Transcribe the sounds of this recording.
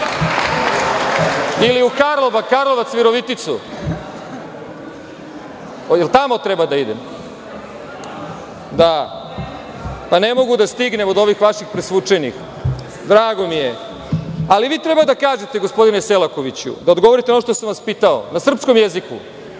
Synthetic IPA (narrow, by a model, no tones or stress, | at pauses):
iliukaɾlˠoʋakaɾlˠoʋat̪sʋiɾoʋit̪it̪su | jelt̪amo̞t̪ɾebad̪aid̪ḛm | d̪a | pane̞mo̞ɡud̪ast̪iɡne̞mod̪o̞ʋixʋaʃixpɾesʋut͡ʂenḭx | d̪ɾaːɡo̞mije̞ | aliʋiːt̪ɾe̞bad̪akaːʒe̞t̪e̞ɡospo̞d̪ineselˠako̞ʋit͡ɕṵd̪aod̪ɡo̞ʋo̞ɾit̪eonoʃt̪osamʋaspiːt̪ao̰nasr̩psko̞mjezikṵ